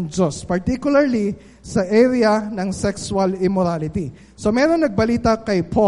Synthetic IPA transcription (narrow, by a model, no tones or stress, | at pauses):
ŋd͡ʒospɐɹt̪ikjʊlɐɹli | sɐʔɛɾɪɐnɐŋsɛkswɐlɪmoɾalɪt̪i | so̞mɛːɾo̞ŋnɐɡ̚bɐliːt̪ɐkɐjpʰo